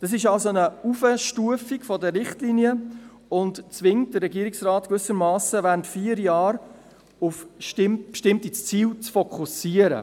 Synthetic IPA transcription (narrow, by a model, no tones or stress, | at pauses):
d̥ɑs̬ɪʃɑlsonəufəʃtuəfiɡfɔdəɾɪχtliniə | ʊntt͡sʋɪŋt̚dəɾːɛɡiəɾiksrɑːtkvʏsəɾmɑːsəʋæːɾntfiːəɾjɑːɾ | ufʃtɪmpʃtɪmtit͡st͡siːlt͡sfɔkʰusiəɾə̰